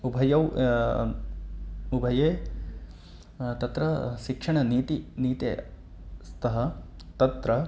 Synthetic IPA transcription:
ubʱɐjɐw | ubʱɐjeː | t̪ɐt̪ɾɐʃikʂɐɳɐniːt̪iniːt̪ḛː | st̪ʰɐɦɐ | t̪ɐt̪ɾɐ

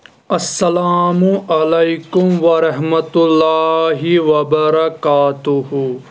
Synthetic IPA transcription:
ɐsːɐlaːmuʔɐlɐjkʊmʋɐɾɐɦmɐt̪ʊlːaːɦiʋɐbɐɾɐkaːt̪ʊhu

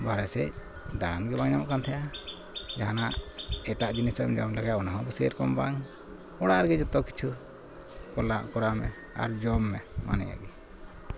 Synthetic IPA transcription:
baɾɛsɛc̚ | d̪aɽanɡɛbaŋɲamɔʔkant̪ʰɛja | d͡ʒaɦanaʔɛʈaʔd͡ʒinisɛmd͡ʒɔmlaɡajaʔɔnaɦɔ̃buseəɾkɔmbaŋ | ɔɽaɾɡɛd͡ʒut̪ɔki̥t͡ʃʰu | kɔla̰ʔkɔɾamɛ̰ | a̰ɾd͡ʒɔmːɛma̰nɛ̰ja̰ɡi

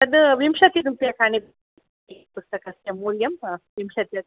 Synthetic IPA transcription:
ɐd̪ɨʋimʃɐt̪it̪umpijɐkaːɳib̪ | ipust̪ɐkɐsjɐmuːɾjɐmʋimʃɐt̪jɐt̪̚

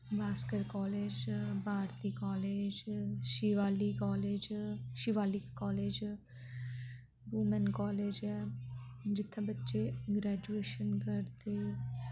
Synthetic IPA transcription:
baːskəɾkɔːleːd͡ʒbʱaːɾt̪iːkɔːleːd͡ʒʃiʋaːlikɔːleːd͡ʒʃiʋaːliːkɔːleːd͡ʒ | buːmɛnkɔːleːd͡ʒɛ | d͡ʒɪt̪ʰːabətːʃeɡɾɛːd͡ʒueːʃənkəɾd̪eː

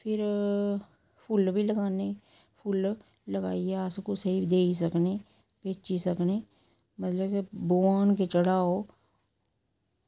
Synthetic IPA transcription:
pʰɪɾ | pʰʊlbʱiləɡaːneː | pʰʊlː | əɡa̰ːieskosəɦibd̪eːis̬əkneː | peːt͡ʃisəkneː | mət̪ləbeboːaːnket͡ʃəɽaːoː

